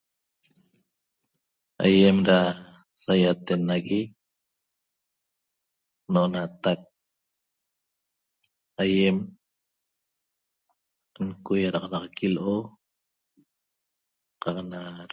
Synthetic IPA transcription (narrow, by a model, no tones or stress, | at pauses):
ajemɾa | sajat̪enaɣi | noʔonat̪ak̚ | ajem | ŋkujaɾɑʁɑnɑʁɑkiloʔo | qɑqnaɾ